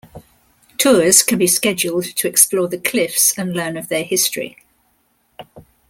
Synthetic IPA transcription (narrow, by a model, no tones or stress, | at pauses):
tʰɔːz̥kʰə̃nbiskɛd͡ʒʊlˠdtʰəɛksplɔːðəkʰl̥ɪfsə̃nlɜːnəvðəhɪstɹ̥ḭ